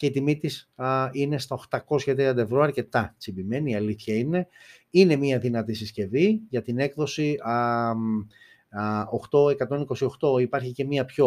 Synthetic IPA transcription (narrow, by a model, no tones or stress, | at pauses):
ce̞it̪imit̪isine̞st̪ɐo̞xt̪ɐko̞sçɐt̪ɾiɐnd̪ɐe̞vɾo̞ɐɾce̞t̪ɐt͡sibime̞niːɐliθçɐine̞ | ine̞miɐðinɐt̪isisce̞viʝɐt̪ine̞kðo̞si | o̞xt̪o̞e̞kɐt̪o̞niko̞sio̞xt̪o̞ipɐɾçice̞miɐpço